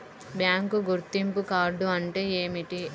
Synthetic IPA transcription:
bjaːŋkuɡuɾt̪ːimpukaːɾɖuɐɳʈe̞ːeːmiʈi

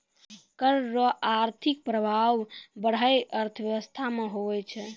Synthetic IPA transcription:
kəɾːɔʔaɾt̪ʰik̚pɾəbʱaʋbəɽ̤ajəɾt̪ʰəʋjəʋəst̪ʰameɦoʋɛt͡ʃʰɛ

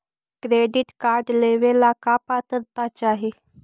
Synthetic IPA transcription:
kɾeɖiʈkaɾɖleʋelakapat̪əɾt̪at͡ɕaɦe

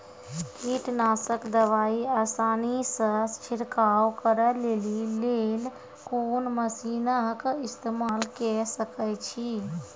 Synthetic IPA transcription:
kiʈnaːsəkd̪əʋaiaːsaːnisə̃st͡ʃʰiɾkawkəɾəlelilel | konməsinəkɪst̪emaːlkɛsəkət͡ʃʰi

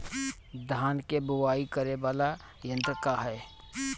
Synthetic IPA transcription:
d̪ʱaːnkebʊʋaːikəɾeʋaːla | jə̃nt̪kaɦɛː

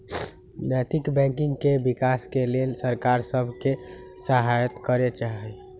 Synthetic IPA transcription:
nəjt̪ikbɛ̃ŋkĩŋɡkebikaskelelsəɾkaɾsəbʱkesəɦajət̪kəɾet͡ʃaɦɛ

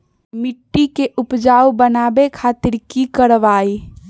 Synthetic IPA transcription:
miʈːikeʔupd͡ʒaubənabekʰat̪iɾkikəɾʋaj

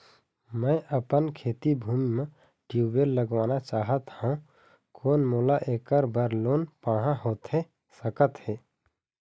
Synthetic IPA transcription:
mə̃ʔəpənkʰeːt̪ibʱuːmimẽ | ʈjuːʋeːlːəɡʋaːnat͡ʃaːɦət̪hãũ | kʰoːnmoːlaʔeːkəɾbəɾloːnpaːɽ̤ãɦoːt̪e | səkət̪ɦeː

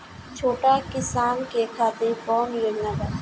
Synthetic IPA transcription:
t͡ʃʰoːʈakɪsaːnkekʰaːt̪efɔːnjɪɾnaɡ̪a

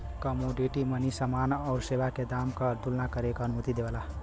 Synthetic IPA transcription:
kəmoɖiʈimənisəmanɔʊɾseʋaked̪amkəd̪ulnakəɾekənumut̪id̪ebala

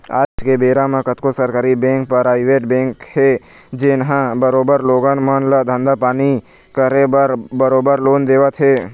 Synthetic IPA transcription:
a̰ːd͡ʒkebeːɾamãkət̪kosəɾkaːɾibẽːŋk̚pəɾaːɪʋeːʈbɛ̃ːŋkhed͡ʒɪnɦãbəɾoːbəɾloːɡənmənləd̪ʱə̃nd̪apaːni | kəɾebəɾbəɾoːbəɾloːnd̪eːʋət̪ɦeː

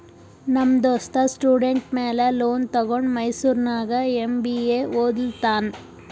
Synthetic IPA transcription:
nɐmd̪oːst̪ɐsʈuːɖeɳʈmeːlɐloːnt̪ɐɡoɳɖmɐjsuːɾnaːɡɐembieːoːd̪ilt̪aːn

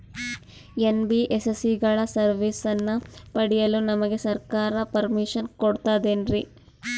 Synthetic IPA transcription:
enbiʔesesiɡɐɭɐsɐɾʋisɐnːɐpɐɽijɐlunɐmɐɡe̞sɐɾkaːɾɐpɐɾmiʃɐnkoɽt̪aːd̪eːnɾi

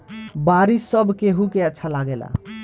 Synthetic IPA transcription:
baɾisəbʱkeɦukeətːʃʰalaɡela̰

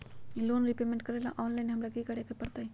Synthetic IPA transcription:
ilonɾipemẽɳʈ̚kəɾajla̰ʔɔnlajnɦamɽaɡikaɽekapəɽt̪aj

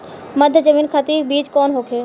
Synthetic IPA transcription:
mɐd̪ʱjəd͡ʒəmiːnkʰat̪iːbiːd͡ʒkɔːnɦoːkʰeː

